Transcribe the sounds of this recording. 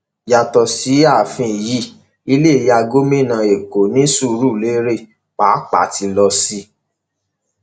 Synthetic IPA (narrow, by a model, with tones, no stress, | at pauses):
ja˧tɔ˧si˨˦a˦˨fĩ˧˨ji˦ | i˧˦le˦˨ja˧ɡo˦mĩ˦˨nã˧e˨ko˨nĩ˦su˦˨ɾu˦˨le˦ɾe˦˨ | k͡paː˨˦k͡pa̰˨ti˧lɔ˧si˧˦